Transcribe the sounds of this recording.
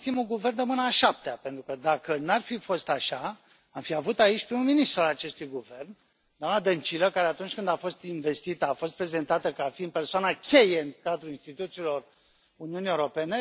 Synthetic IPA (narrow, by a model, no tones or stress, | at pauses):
simuɡuvernd̪əmɨnəaːʃap̚t̪eape̞nt̪ɾukəd̪akənarfifo̞st̪aʃa | amfiavut̪ait͡ʃʲpɾimuminist̪ɾualat͡ʃe̞st̪ujɡuve̞rn | d̪oamnad̪ənt͡ʃiləkaɾe̞at̪unt͡ʃʲkɨnd̪afo̞st̪inve̞st̪it̪əafo̞st̪pɾe̞ze̞nt̪at̪əkaafiɨnpe̞rsoanakʲʰe̞jeɨŋkad̪ɾulinst̪it̪ut̪siːlo̞r | uniunijeuɾo̞pe̞ne̞